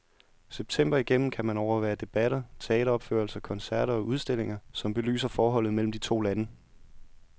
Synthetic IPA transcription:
seb̥̚t͡sʰem̰b̥ɐiɡ̥em̰m̩kʰæmænɒʊɐʋæːɐd̥e̝b̥æɾɐt͡sʰe̝ɛ̰ːɾɐɒ̽b̥fø̰ɐlsɐkʰɒ̽nsæɐ̰ɾɐɒ̽ʔuð̞ˠsd̥e̝l̰e̝ŋɐsɒ̽mb̥e̝ly̰ːsɐfɒːɦɒ̽l̰ð̩ˠmel̰m̩d̥it͡sʰo̝̰ːlænə

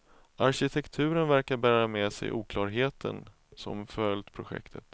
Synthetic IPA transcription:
aɾɕɪt̪ʰɛkt̪ʰʉ̟ːɾənvæɾkaɾbæːɾamɛsɛ̰jʔuːkʰlɑːɾɦeːt̪ʰə̰n | sɔ̰mfœld̪pʰɾʊɧɛ̰kt̪ʰət̪

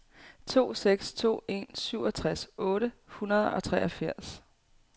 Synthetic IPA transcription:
t͡sʰo̝̰ːseɡ̥st͡sʰo̝̰ːe̝̰nsyʊ̰ɒt͡sʰʁasɔ̽ːɾəhunɐð̞ˠɒ̽t͡sʰʁɛːʔɒfæɐ̰s

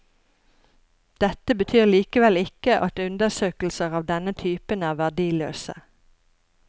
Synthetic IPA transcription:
d̪̥ɛt̪əbət̪ʰyːʁliːkəʋɛlɪkəʔɑt̪ʉnd̪əsøːkl̩səʁɑːʋd̪ɛnət̪ʰyːpənæːʁʋæɖiːlø̰ːsə̰

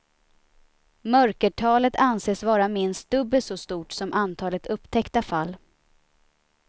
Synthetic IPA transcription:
mœɾkəʈʰɑːlət̪ʰanseːsvɑːɾamɪnst̪̚d̪ɵbːəsɔst̪uːʈsɔmʔant̪ʰɑːlət̪ɵpːt̪ʰɛkt̪afalː

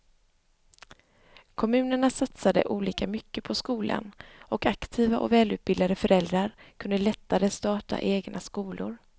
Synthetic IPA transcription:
kʰɔmʉ̟ːnəɳasat̪sad̪ə̰ʔuːliːkamʏkːəpʰɔskuːlʔa̰nɔkakt̪ʰiːvaʔɔ̰vɛːlʉ̟ːt̪̚bɪd̪ld̪ad̪əfœɾʔɛld̪ɾaɾkʰɵnd̪əlɛt̪ːaɾəst̪ɑːʈa̰ʔeːɡnʔaskuːlʊɾ

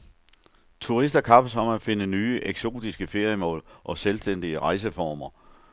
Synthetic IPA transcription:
t͡sʰuʁisd̥ɐkʰɑ̈b̥əsɒ̽mæfe̝nənyːəʔeɡ̥so̝̰ːd̥isɡ̥əfe̝ɐjəmɔ̰̽ːlʔɒ̽selsd̥en̰d̥iəʁɑ̈ɪs̬əfɒːmɐ

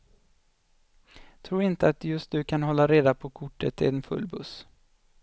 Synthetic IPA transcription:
t̪ʰɾuːɾɪnt̪əat̪jɵst̪̚d̪ɵkʰanɦɔlːaɾeːd̪apʰɔkʰʊʈːət̪ʰːɪ̰ɛnfɵ̰lːbɵ̰s

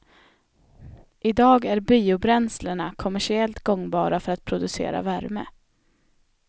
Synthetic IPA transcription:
ʔɪd̪ɑːɡæɾbiːʊbɾɛnsləɳakʰɔmæʂɪɛlt̪ɡɔŋːbɑːɾafœɾat̪̚pʰɾʊd̪ɵsḛːɾa̰væɾmə̰

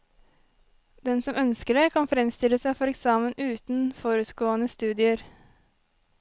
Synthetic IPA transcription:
d̪̥ɛnsɔmœnskəɖekʰɑnfɾɛmst̪ɪləsæɪfɔɾɛksɑːmənʉːt̪n̩fɔɾʉt̪ɡoːənəst̪ʉːd̪ɪəɾ

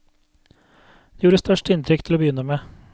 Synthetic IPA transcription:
d̪̥eːjuːɾəst̪œʃʈɪnt̪ʰɾʏk̚t̪ʰɪloːbəjʏnəmeː

